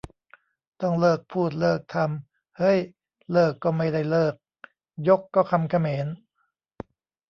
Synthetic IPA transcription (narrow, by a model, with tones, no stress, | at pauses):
t̪ɔ˥˩ŋlɤː˥˩k̚pʰuː˥˩t̪̬̚lɤː˥˩k̚t̪ʰa˧m | hɤ˦˥j | lɤː˥˩kːɔː˥˩ma˥˩jda˥˩jlɤː˥˩k̚ | jo˦˥kːɔː˥˩kʰa˧mkʰa˧meː˩˦n